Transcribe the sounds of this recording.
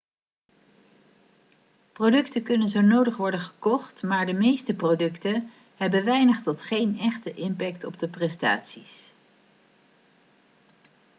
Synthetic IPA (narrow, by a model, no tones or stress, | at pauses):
prowdɵktəkɵnənzownowdəχʋɔɹdənχəkɔχtmaːɹdəmejstəprodɵktə | ɦɛbənʋɛjnəχtɔtχejnɛχtəʔɪmpɛk̚tɔb̚dəprɛsta̰ːtsis